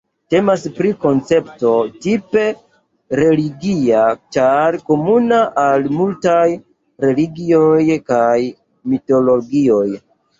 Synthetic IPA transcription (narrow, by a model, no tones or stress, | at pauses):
te̞maspɾiko̞nt͡se̞pto̞tipe̞ | ɾe̞liɡiat͡ʃaɾko̞munaʔalmultaj | ɾe̞liɡiojkaj | mito̞lo̞ɡio̞j